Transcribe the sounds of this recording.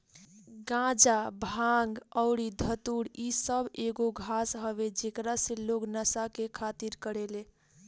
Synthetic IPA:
ɡãd͡ʒabʱaŋɡəʊɽid̪ʱət̪uɽisəbeɡoɡʱasɦəβed͡ʒekɾasẽloknəsakekʰat̪iɾkəɾele

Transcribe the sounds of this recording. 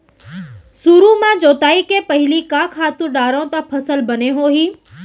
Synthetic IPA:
suːɾũmãd͡ʒoːt̪aːikepəɦɪlikãːkʰaːt̪ũɗaːɾõːt̪ãpʰəsəlbəneɦoːɦiː

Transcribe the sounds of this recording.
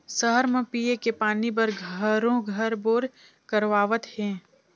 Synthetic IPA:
səɦəɾmẽpiekepaːnib̬əɾɡʱəɾõɡʱəɾboːɾ | kəɾʋaːʋət̪hẽː

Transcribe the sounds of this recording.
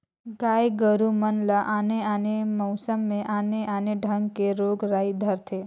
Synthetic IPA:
ɡajɡəɾumənləʔaneanemɔʊsəmːeʔaneʔaneɖʱəŋɡkeɾoɡɾajd̪ʱəɾt̪ʰe

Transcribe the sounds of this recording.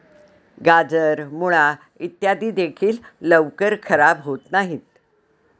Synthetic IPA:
ɡad͡zəɾmuɭa | it̪jad̪iːd̪ekʰiːlːəʋkəɾkʰəɾabɦot̪naɦiːt̪̚

